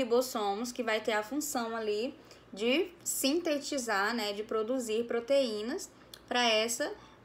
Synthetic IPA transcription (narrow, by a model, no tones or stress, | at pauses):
ibosõmʊskɪvajt̪eɾɐfũsɐ̃w̃ali | d͡ʒɪsĩt̪et͡ʃizaɾnɛd͡ʒɪpɾod̪uziɾpɾot̪eĩnɐs | pɾɐɛsɐ